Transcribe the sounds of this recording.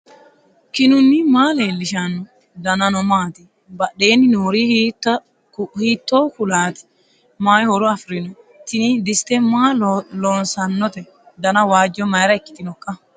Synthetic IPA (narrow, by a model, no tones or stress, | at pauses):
kɪnʊnːɪmaːleːlːɪʃanːɔ | d̪ɐnɐnɔmaːt̪ɪ | bɐɗe̞ːnːɪnuːɾitː | hiːt̪ːo̞ːkʊlaːt̪ɪ̥ | maːjhɔɾɔɐfɾɪnɔ | t̪ːɪnd̪ɪst̪ɛmaːloːnsɐnːɔt̪ɛ | d̪ɐnɐwaːd͡ʒːɔmɐjɾɐɛkːɪ̥t̪ɪnɔkʼːɐ